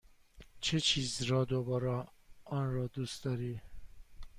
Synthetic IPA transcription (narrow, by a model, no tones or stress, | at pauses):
t͡ʃʰet͡ʃʰiːzɾɒːd̪obɒːɾɑɒnɾɒːd̪uːst̪d̪ɒːɾiː